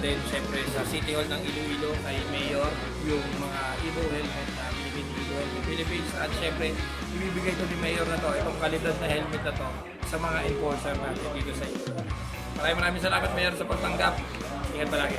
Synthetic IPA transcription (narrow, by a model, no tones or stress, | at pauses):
d̪ɛnʃɛmpɾɛsɐsiːt̪ɪholnɐŋʔiːloʔiːloʔɐjmɛjoɾ | jʊŋmɐŋaʔiːlowhɛlmɛt̪̚nɐmɪnɪɡinʔiːlohɛlɐpilɪpinsɐt̪̚ʃɛmpɾɛ | ʔɪbiːbɪɡajt̪onɪmɛjoɾnɐt̪o̞ʔɛt̪o̞ŋkɐlɪd̪ɐsnɐhɛlmɛt̪̚nɐt̪o̞ | sɐmɐŋaʔɪmpoɹsɛɾnaːt̪ɪnd̪iːt̪o̞sɐʔɪɲo | mɐɾaːjɪ̃mɐɾaːmɪŋsɐlaːmɐt̪̚mɛːjɾonsɐpɐɡ̚t̪ɐŋɡap̚ | ʔiːhɐt̪̚bɐlaːkɪ